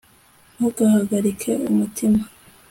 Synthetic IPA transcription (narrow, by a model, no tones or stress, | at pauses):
huɡahaɡaɾikʰe̞umutʰima